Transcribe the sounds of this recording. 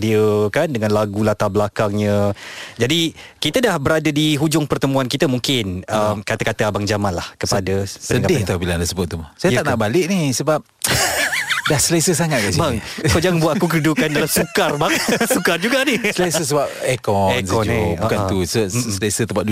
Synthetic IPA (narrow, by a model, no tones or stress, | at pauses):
diəkandəŋãnlaɡulat̪abəlakaŋɲə̃d͡ʒadikit̪ədahbəɾadadiɦud͡ʒʊŋpərt̪əmũankit̪əmuŋkɪnəmkat̪akat̪əabaŋd͡ʒamanlahkəpadəpənəɡadɪt̪abilaandasəbʊt̪̚ːumasajat̪aʔnaʔbalɪʔ̚nisəbap̚ | dahsəlesəsaŋat̪̚kasiaŋkod͡ʒaŋbuat̪̚akukədudukandalamsukarbaŋsukard͡ʒuɡanisəlasəs̬əbap̚ekɔensɔbukat̪usəsəlesət̪əmpadu